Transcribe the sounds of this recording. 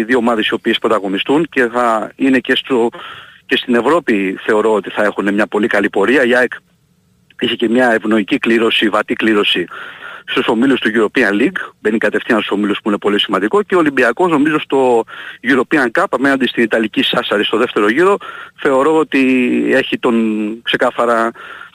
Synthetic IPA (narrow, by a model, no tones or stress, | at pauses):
ðio̞ːmɐðe̞sio̞piespɾo̞t̪ɐɣo̞nist̪unce̞θɐine̞ce̞st̪oce̞st̪ine̞vɾo̞piθe̞o̞ɾo̞ot̪iθɐe̞xune̞mɲɐpo̞likɐlipo̞ɾiɐiɐek | içece̞mɲɐevno̞icikliɾo̞sivɐt̪ikliɾo̞sist̪uso̞milust̪uʝuɾo̞piɐnliɡbe̞nikɐt̪e̞fθinɐst̪so̞miluspuine̞po̞lisimɐnd̪iko̞ceolimbiɐko̞zno̞mizo̞st̪o̞ʝuɾo̞piɐŋkɐpɐme̞nɐnd̪est̪init̪ɐlicisɐsɐɾist̪o̞ðe̞ft̪e̞ɾo̞ʝiɾo̞θe̞o̞ɾo̞ot̪ie̞çit̪o̞nkse̞kɐθɐɾɐ